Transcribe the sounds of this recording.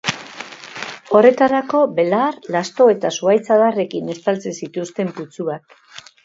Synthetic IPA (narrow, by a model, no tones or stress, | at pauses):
o̞re̞t̪aɾako̞be̞laɾlast̪o̞e̞t̪asuajt͡saðare̞kine̞st̪alt͡sesit̪ust̪e̞mput͡suak